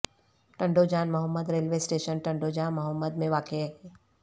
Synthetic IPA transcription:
ʈɐ̃ɳɖod͡ʒaːnmʊɦəmːəd̪ɾeːlʋeːsʈeːʃənʈɐ̃ɳɖod͡ʒaːnmʊɦəmːəd̪mẽʋaːkeɦɛː

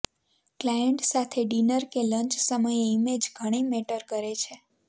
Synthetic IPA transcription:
klajəɳʈsat̪ʰeɖinəɾkeləɲt͡ʃsəməjeimed͡ʒɡʱəɽ̃imeʈəɾkəɾet͡ʃʰe

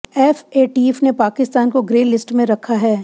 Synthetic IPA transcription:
ɛːfeːʈifnepaːkɪst̪aːnkoɡɾeːlɪsʈmẽɾɐkʰaɦɛː

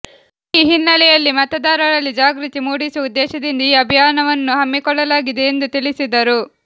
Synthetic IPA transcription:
iːɦinːɐɭɛjɐlːimɐt̪ɐd̪aːɾɐɾɐlːid͡ʒaːɡɾit̪imuːɽisuɐud̪ɛːʃɐd̪ind̪ɐiːɐbʱijaːnɐʋɐnːuɦɐmːikɔɭːɐlaːɡid̪e̞ːnd̪ut̪iɭisid̪ɐɾu

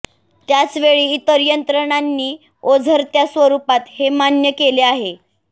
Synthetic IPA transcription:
t̪jat͡sʋeɭiːt̪əɾjənt̪ɾəɳ̃anːiː | od͡zʱəɾt̪jasʋəɾupat̪hemanjəkeleaɦe

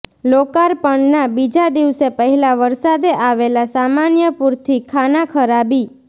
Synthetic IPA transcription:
lokaɾpəɳnabid͡ʒad̪iʋsepəɦɛlaʋəɾsad̪eʔaʋelasamanjəpuɾt̪ʰikʰanakʰəɾabi

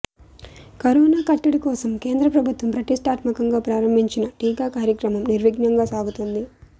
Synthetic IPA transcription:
kɐɾɔːnaːkɐʈːiɽikɔːsɐmke̞ːnd̪ɾɐpɾɐbʱut̪ʋɐmpɾɐʈisʈaːt̪mɐkɐŋɡaːpɾaːɾɐmbʱiɲt͡ʃinɐʈiːɡaːkaːɾjɐkɾɐmɐmniɾʋiɡnɐŋɡaːsaːɡut̪und̪i

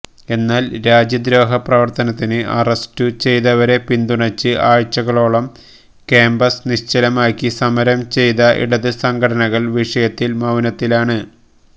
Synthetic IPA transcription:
e̞nːaːlɾaːd͡ʑjɐd̪ɾo̞ːɦɐprɐʋɐrt̪ɐnɐt̪ːinɨʔɐrɐstɨt͡ɕe̞jðɐʋɐɾe̞pind̪uɳɐt͡ɕːɨʔaːɻt͡ɕːɐɣɐɭo̞ːɭɐm | keːmbɐsniɕt͡ɕɐlɐmaːkʲːisɐmɐɾɐmt͡ɕe̞jðɐʔḭɽɐðɨsɐŋɡʰɐɽɐnɐɣɐɭʋiʂɐjɐt̪ːilmɐʋnɐt̪ːilaːɳɨ

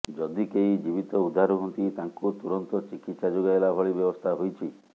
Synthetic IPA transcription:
d͡ʒɔd̪ikeijd͡ʒibit̪ɔud̪ʱaɾuɦunt̪it̪aŋkut̪uɾɔnt̪ɔt͡ʃikit̪sad͡ʒoɡaelabʱɔɭibjɔbɔst̪ʰaɦojt͡ʃʰi

